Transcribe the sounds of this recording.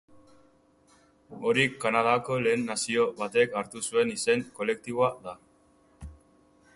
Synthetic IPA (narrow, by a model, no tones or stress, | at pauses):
o̞ɾikːanað̞ako̞le̞ːnːasio̞βat̪e̞kaɾt̪usue̞nise̞ŋko̞le̞k̚t̪iβoaða